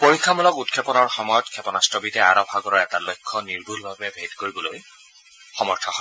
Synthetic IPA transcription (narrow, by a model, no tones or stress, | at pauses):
poɹikʰːamulɔkutkʰɛpɔnɔɹxɔmɔjɔtkʰɛpɔnastɹɔbitɛa̰ɹɔpʰaɡɔɹɔɹɛtalojkʰːɔniɹbulbabɛbʱedkoɹibɔloj | xɔmɔɹtʰɔhɔ